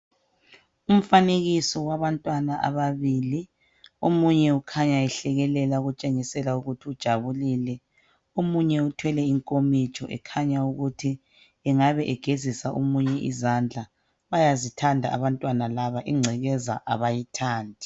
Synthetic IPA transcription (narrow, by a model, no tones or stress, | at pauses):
um̩faneɣisɔwaβantʼwanaʔa̰βaβiːli | omuɲɛukʰaɲaɛɬɛɣɛlɛlauɣut͡ʃʼeŋisɛlauɣutʰiud̥ʒ̥ʱaβulilɛ | omuɲɛutʰwɛlɛiŋkʼomit͡ʃʰʼɔʔɛ̰kʰaɲauɣutʰi | ɛŋaβɛʔɛɡ̥ʱezisaʔomuɲɛʔḭzand͡ɮʱa | βajazitʰandʱa̰a̰βantʼwanalaβaʔiŋ͡ǀʱɛɣɛza̰ʔaβajitʰaːndʱi